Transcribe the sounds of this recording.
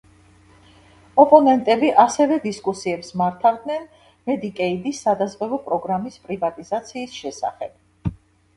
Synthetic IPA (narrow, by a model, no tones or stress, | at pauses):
ɔpʼɔnɛnt̪ʼɛbiʔasɛvɛd̪iskʼusiɛpsmaɾt̪ʰavd̪nɛn | mɛd̪ikʼɛid̪isːad̪azʁɛvɔpʼɾɔɡɾamispʼɾivat̪ʼizat̪sʰiːsʃɛsa̰χɛb̥